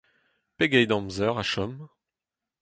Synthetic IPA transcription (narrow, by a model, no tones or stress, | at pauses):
peɡɛjd̪ɑ̃mzœʁaʃɔm